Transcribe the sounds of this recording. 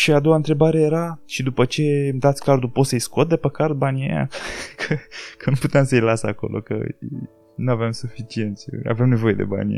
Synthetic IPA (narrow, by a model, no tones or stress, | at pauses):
ʃiad̪o̞waɨnt̪ɾe̞baɾe̞je̞ɾaʃid̪upət͡ʃe̞md̪at̪sʲkard̪upo̞t̪səjsko̞t̪̚d̪e̞pəkaɾd̪̚banʲeja̰kʰəkʰənuput̪eamsəjlasako̞̰lʔo̞̰kə̰ | nuaveamsufit͡ʃie̞nt̪sʲa̰vemne̞vo̞je̞d̪e̞̰ba̰n̰ʲ